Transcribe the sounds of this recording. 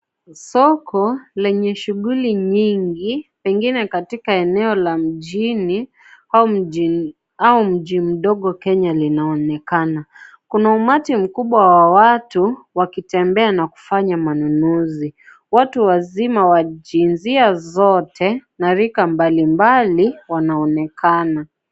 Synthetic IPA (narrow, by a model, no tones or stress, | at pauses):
sɔkɔlɛɲɛʃuɠuliɲiŋɡipɛŋɡinɛkatikaɛnɛɔlam̩ʄini | au | aum̩ʄim̩ɗɔɠɔkɛɲalinaɔnɛkana | kunaumatim̩kuɓwawawatuwakitɛmbɛanaku̥faɲamanunuzi | watuwazimawaʄinziazɔtʰɛnaɾikambalimbaliwanaɔnɛkana